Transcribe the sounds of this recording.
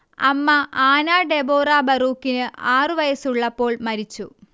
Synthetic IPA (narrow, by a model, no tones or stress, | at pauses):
ɐ̰mːɐaːnaːɖeboːraːbɐruːkːinɨʔaːrɨʋɐjɐsuɭːɐpːo̞ːɭmɐɾit͡ɕːu